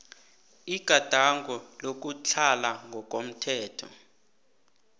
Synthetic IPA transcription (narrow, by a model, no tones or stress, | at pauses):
iɡ̥ʱad̥ʱaŋɡʱɔlok̬ʼut͡ɬʰalaŋɡʱɔk̬ʼom̩tʰɛːtʰɔ̰